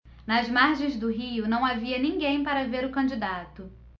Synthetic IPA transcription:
nɐzmaɾʒẽj̃zd̪ʊɦiʊnɐ̃w̃aviɐnĩŋɡẽj̃paɾɐveɾʊkɐ̃d͡ʒid̪at̪ʊ

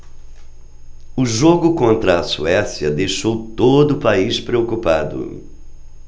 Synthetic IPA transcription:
ʊʒoɡʊkõnt̪ɾɐːsuɛsjɐd̪ejʃowt̪od̪ʊːpaispɾeokupad̪ʊ̰

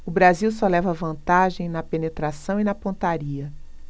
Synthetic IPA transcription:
ʊbɾaziwsɔlɛvɐvɐ̃nt̪aʒẽj̃nɐpenet̪ɾasɐ̃w̃inɐpõnt̪aɾiɐ

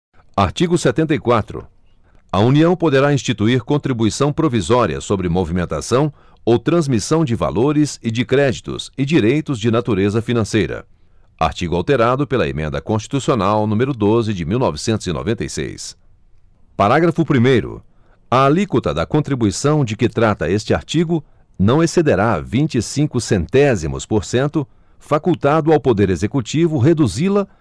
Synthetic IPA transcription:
aɾt͡ʃiɡʊsɛt̪ẽnt̪ɐikwat̪ɾʊ̰ | ɐuniɐ̃w̃pod̪eɾaĩst͡ʃit̪uiɾkõnt̪ɾibuisɐ̃w̃pɾovizɔɾiɐ̰sobɾɪmovimẽnt̪a̰sɐ̃w̃ | owt̪ɾɐ̃zmisɐ̃w̃d͡ʒɪva̰loɾɪzɪd͡ʒɪkɾɛd͡ʒit̪ʊ̰sɪd͡ʒiɾejt̪ʊzd͡ʒɪnat̪uɾezɐfinɐ̃sejɾɐ̰ | a̰ɾt͡ʃiɡʊawt̪eɾad̪ʊpelɐḛmẽnd̪ɐkõst͡ʃi̥t̪usionawnũmeɾʊd̪ozɪd͡ʒɪmiwnɔvɪsẽnt̪ʊzino̰vẽt̪ḛjsḛjs | paɾaɡɾɐfʊpɾimejɾʊ̰ | ɐːlikot̪ɐd̪ɐkõnt̪ɾibuisɐ̃w̃d͡ʒɪkɪt̪ɾat̪ɐest͡ʃɪaɾt͡ʃiɡʊ | nɐ̃w̃esed̪eɾavĩnt͡ʃɪisĩŋkʊsẽnt̪ɛzimʊ̰spoɾsẽnt̪ʊ | fakuwt̪ad̪ʊawpod̪eɾezekut͡ʃivʊɦed̪uzilɐ

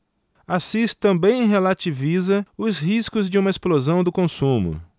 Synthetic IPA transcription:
asist̪ɐ̃mbẽj̃ɦelat͡ʃivizɐʊsɦiskʊzd͡ʒɪũmɐesplozɐ̃w̃d̪ʊkõsũmʊ̰

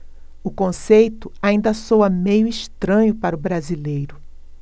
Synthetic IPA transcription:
ʊkõsejt̪ʊaĩnd̪ɐsowɐmejʊiʃt̪ɾɐ̃ɲʊpaɾʊbɾazilejɾʊ

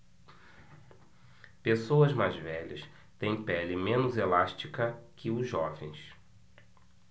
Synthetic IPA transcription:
pesowɐzmajzvɛʎɐ̰s | t̪ẽj̃pɛlɪmẽnʊzelaʃt͡ʃikɐkʰɪʊzʒɔvẽj̃s

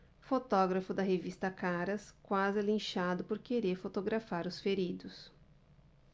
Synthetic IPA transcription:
fot̪ɔɡɾɐfʊd̪ɐɦevist̪ɐkaɾɐskwazɪlĩʃad̪ʊpoɾkeɾeɾfot̪oɡɾafaɾʊsfeɾid̪ʊs

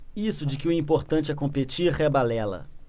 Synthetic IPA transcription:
isʊd͡ʒɪkɪʊĩpoɾt̪ɐ̃t͡ʃɪɛkõmpet͡ʃiɾhebalɛlɐ̰

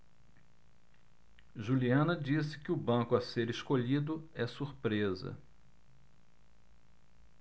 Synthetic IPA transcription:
ʒuliɐ̃nɐd͡ʒisɪ̥kɪʊbɐ̃kʊɐseɾeʃkoʎid̪ʊɛsuɾpɾezɐ̰

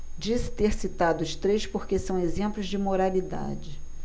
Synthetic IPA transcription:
d͡ʒisɪ̥t̪eɾsit̪ad̪ʊʊʃt̪ɾejʃpoɾkesɐ̃w̃ezẽmplʊzd͡ʒɪmoɾalid̪a̰d͡ʒɪ

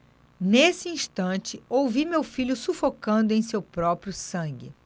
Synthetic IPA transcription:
nesɪĩʃt̪ɐ̃t͡ʃɪowvimewfiʎʊsufokɐ̃nd̪ʊẽj̃sewpɾɔpɾjʊsɐ̃ɡɪ̰

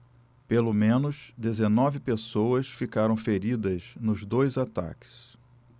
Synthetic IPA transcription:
pelomẽnʊsd̪ezenɔvɪpesowɐsfikaɾɐ̃w̃feɾid̪ɐznʊzd̪ojzat̪a̰kɪ̥s

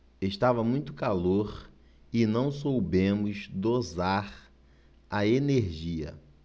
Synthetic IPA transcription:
eʃt̪avɐmũj̃t̪ʊkaloɾ | ɪnɐ̃w̃sowbẽmʊzd̪ozaɾ | ɐeneɾʒiɐ̰

